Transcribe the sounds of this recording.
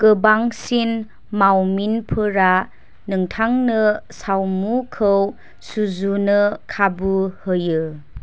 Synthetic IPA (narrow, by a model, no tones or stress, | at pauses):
kɯbaŋsin | mawminpʰɯɾa | nɯŋtʰaŋnɯsawmukʰɯw | suzunɯkʰabuhɯjɯ